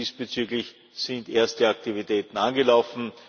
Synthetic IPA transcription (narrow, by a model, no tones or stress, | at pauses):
iːsb̥ət͡syːɡlɪç | sɪndʔeːɐstdəak̚tivitʰɛːtn̩anɡəlaʊfn̩